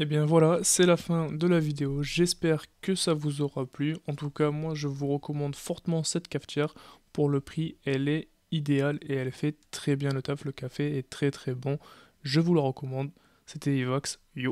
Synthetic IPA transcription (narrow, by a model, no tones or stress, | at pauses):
ebjɛ̃vwalasɛlafɛ̃d̪əlavid̪eoʒɛspɛʁkəsavuzɔʁaplyɑ̃t̪ukamwaʒəvuʁəkɔmɑ̃d̪fɔʁt̪əmɑ̃sɛt̪kaft̪jɛʁpuʁləpχiɛlɛ | id̪ealeɛlfɛt̪χɛbjɛ̃lət̪afləkafeɛt̪χɛt̪χɛbɔ̃ | ʒəvuləʁəkɔmɑ̃d̪ | set̪ɛivaks | jo